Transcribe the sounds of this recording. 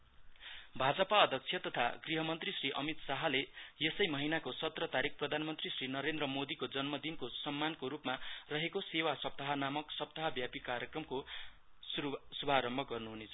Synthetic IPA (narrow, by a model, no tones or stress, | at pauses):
bʱad͡zʌpaʌd̪ʱʌk̚t͡sʰjʌt̪ʌt̪ʰaɡriɦʌmʌnt̪risriʔʌmit̪saɦalejesʌjmʌɦinakosʌt̪rʌt̪aɾik̚ʰprʌd̪ʱanmʌnt̪risrinʌɾend̪rʌmod̪ikod͡zʌnmʌd̪inkosʌmːankoɾupmarʌɦekosewasʌp̚t̪aɦʌnamʌksʌp̚t̪aɦʌbjapikaɾjʌkrʌmko | ssubʱaɾʌmbʱʌɡʌrnuɦunet͡sʰʌ